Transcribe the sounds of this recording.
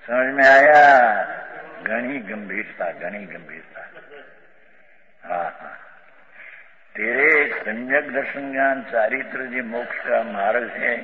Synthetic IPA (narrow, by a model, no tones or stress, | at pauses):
sɐməd͡ʒmẽaːjaː | ɡəɽ̃iːɡɐmbʱiːɾt̪aːɡɐɽ̃iːɡɐmbʱiːɾt̪aː | ɦãːɦãː | t̪eːɾesɐ̃mjəɡd̪əɾʃənɡaːnt͡ʃaːɾit̪ɾəd͡ʒeːmoːkʃkamaːɾəlɦɛː